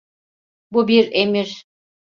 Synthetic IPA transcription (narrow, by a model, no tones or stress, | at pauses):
bubiɾemiɾ